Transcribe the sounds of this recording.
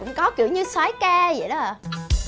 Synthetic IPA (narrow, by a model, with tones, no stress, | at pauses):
ʊ̰˧˥ŋ͡mkɔ˨˦ki˨˧˩əwɲɨ˧swaː˨˦jkaː˧jə̰˧˨jɗɔ˨˦˨